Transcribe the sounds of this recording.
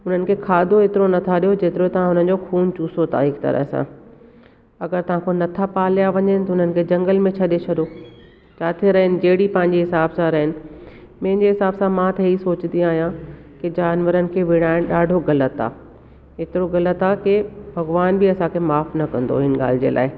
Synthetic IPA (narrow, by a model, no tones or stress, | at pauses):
ʊn̤ənɪ̆kʰeːkʰaːd̪ʱoet̪ɪɾonɐt̪ʰaɗijod͡ʑeːt̪ɪɾot̪ɐʋ̤ãɦʊn̤ən̆d͡ʑoxuːnt͡ɕuːsot̪ʰa̰ɦɪkt̪ɐ̰ɾə̰ɦsã̰ | ɐɡəɾt̪ɐʋ̤ãkʰonɐt̪ʰapaːlijaʋɐɲənɪ̆t̪ɐʊn̤ənɪ̆kʰeːd͡ʑɐ̃ŋɡəlmẽt͡ɕʰɐɗet͡ɕʰɐɗo | t͡ɕʰaːt̪ʰeɾɐɦɪnɪ̆d͡ʑɐɦɪɽipɐ̃ɦɪ̃ɲd͡ʑiɦɪsaːbsãɾɐɦɪnɪ̆ | mɐ̃ɦɪ̃ɲd͡ʑeɦɪsaːbsãmãt̪ɐisoːt͡ɕɪnd̪iaːɦijãkid͡ʑaːnʋəɾənɪ̆kʰeːʋɪɽ̃aːɪñɗaːɖʱoɣɐlət̪a̰ː | ɦɪt̪ɪɾoɣɐlət̪akebʱɐɡʋaːnbiɐsãkʰemaːfnɐkɐ̃nd̪o̰ɦɪnɪ̆ɠa̰ːl̤ɪd͡ʑḛːlʔa̰ːɪ